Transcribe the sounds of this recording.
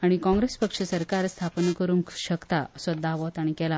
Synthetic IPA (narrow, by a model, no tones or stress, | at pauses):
aɽ̃ikɔ̃ŋɡɾespəkʂəsəɾkaɾst̪ʰapnkəɾuŋkɕəkt̪aəsəd̪ʱːaʋɔt̪aɽ̃ikɛla